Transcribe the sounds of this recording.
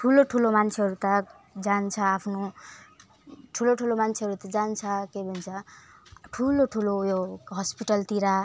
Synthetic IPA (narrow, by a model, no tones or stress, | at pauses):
ʈʰuloʈʰulomant͡sʰeɦʌɾut̪ʌ | d͡zant͡sʰʌapʰno | ʈʰuloʈʰulomant͡sʰeɦʌɾut̪ʌd͡zant͡sʰʌkebʱʌnt͡sʰʌ | ʈʰuloʈʰulojoɦʌspiʈʌlt̪iɾa